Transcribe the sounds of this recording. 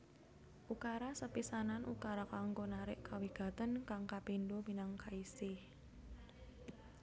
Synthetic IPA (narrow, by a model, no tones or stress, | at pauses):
ʔukaɾasəpisananʔṵkaɾakaŋɡonaɾɪʔkawiɡ̥a̤t̪ənkaŋkapindominaŋkaisɪh